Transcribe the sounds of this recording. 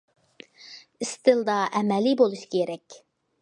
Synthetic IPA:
ɪst̪ʰɨlˠd̪ɑʔɛmɛlibolˠuʃi̥kʲʰeɾɛkʲ

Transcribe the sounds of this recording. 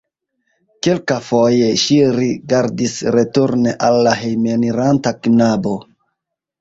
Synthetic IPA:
kelkafoje̞ʃiɾiɡaɾdisɾetuɾneʔalːaɦejmeniɾantaknabo̞

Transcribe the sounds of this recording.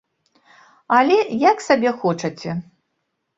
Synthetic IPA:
ɐlʲɛjaksabʲɛxɔt͡ʂɐt͡sʲɛ

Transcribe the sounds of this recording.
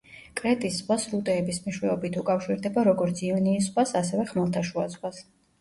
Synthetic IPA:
kʼɾɛt̪ʼisːχwasɾut̪ʼɛːbismiʃwɛɔbit̪ʰukʼafʃiɾd̪ɛbaɾɔɡɔɾt̪sʰiɔniːs̬χwasasɛvɛχmɛlˠt̪ʰaʃuasʼχwas

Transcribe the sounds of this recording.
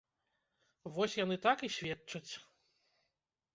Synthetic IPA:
vɔsʲjanɨt̪akisʲvʲɛtt͡ʂɐt͡sʲ

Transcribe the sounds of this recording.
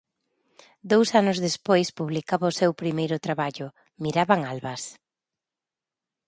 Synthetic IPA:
d̪owsanʊzðespojspuβlikaβaʊsewpɾimejɾʊt̪ɾaβaʎʊ | miɾaβaŋalβɐs

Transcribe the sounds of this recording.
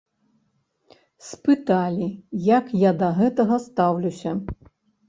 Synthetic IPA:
spɨt̪alʲijakjad̪ɐɣɛt̪ɐɣɐst̪awlʲusʲɐ

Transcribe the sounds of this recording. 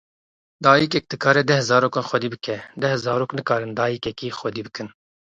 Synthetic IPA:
d̪ɑːjikɛk̚d̪ɨkʰɑːɾɛd̪ɛhzɑːɾoːkɑːnxwɛd̪iːbɨkʰɛd̪ɛhzɑːɾoːknɨkɑːɾɨnd̪ɑːjikɛkiːxʷɛd̪iːbɨkɨn

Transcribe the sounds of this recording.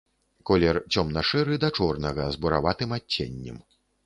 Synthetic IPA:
kɔlʲɛrt͡sʲɔmnɐʂɛɾɨd̪ɐt͡ʂɔrnɐɣɐzbuɾa̰vat̪ɨmaːḛnʲːɛ̰m

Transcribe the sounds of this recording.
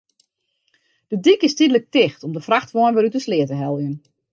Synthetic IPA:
d̥ədikɪstidələk̚tɪxtɔmdəfraxtʋɔənʋɪɾytəslɪətəɦɛlˠjən

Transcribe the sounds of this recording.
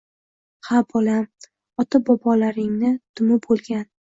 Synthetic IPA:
habɒlam | ɒt̪ʰabɒpʰɒlaɾɪŋnɪt̪ʰʊmɪbolˠɡʲan

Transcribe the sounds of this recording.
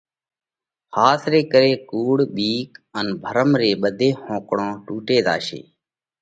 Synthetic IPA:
haːsɾeːkəɾeːkuːɽɓiːkənbʱəɾəmɾeːɓəd̪ʱeːhõːkɽõːʈuːʈeːd̪a̰ːʃḛː

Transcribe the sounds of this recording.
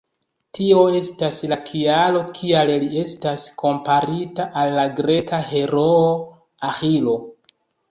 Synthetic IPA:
tio̞e̞staslakʰialo̞kʰialelie̞staskʰo̞mpaɾitaʔalːaɡɾe̞kaɦe̞ɾoo | axilo̞

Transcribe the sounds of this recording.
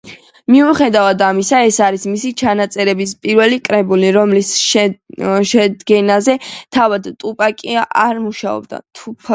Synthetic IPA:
miuχɛd̪avad̪amisaɛsaɾismisit͡ʃʰanat̪sʼɛɾɛbispʼiɾvɛlikʼɾɛbuliɾɔmlisʃ | ʃɛd̪ɡɛnazɛt̪ʰavad̪t̪ʼupʼakʼia̰ɾmuʃaɔ̰b̚d̪a̰t̪ʰupʰ

